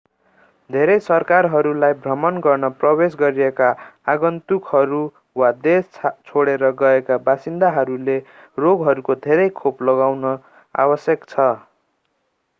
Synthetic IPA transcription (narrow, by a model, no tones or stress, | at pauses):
d̪ʱeɾʌjsʌrkarɦʌɾulajbʱrʌmʌnɡʌrnʌprʌwes̬ɡʌɾiekaaɡʌnt̪ukʰɦʌɾu | wad̪esʰt͡sʰoɽeɾʌɡʌekabasind̪aɦʌɾule | roɡɦʌɾukod̪ʱeɾʌjkʰoplʌɡawnʌ | a̰bʌsjʌkt͡sʰʌ